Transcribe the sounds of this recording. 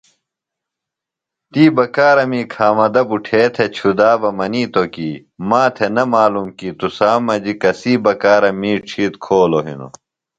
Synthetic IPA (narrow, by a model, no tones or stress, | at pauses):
t̪iːbɐkaːɾɐmiːkʰaːmɐd̪ɐbuʈʰeːt̪ʰet͡ɕʰud̪aːbɐmɐniːt̪okiː | maːt̪ʰenɐmaːlumkiːt̪usaːmɐd͡ʑikɐsiːbɐkaːɾɐmiːʈ͡ʂʰiːt̪kʰoːloɦḭnṵ